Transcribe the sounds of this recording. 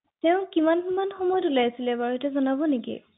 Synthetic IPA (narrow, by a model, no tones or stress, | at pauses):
tɛʊ̃kimankimanxɔmɔjtulajasilɛbaɹetɛzɔnabɔnikḭ